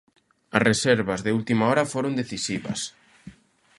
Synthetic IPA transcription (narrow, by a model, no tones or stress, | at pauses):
ɐsresɛɾβɐzðeult̪imaɔɾɐfoɾond̪eθisiβɐ̰s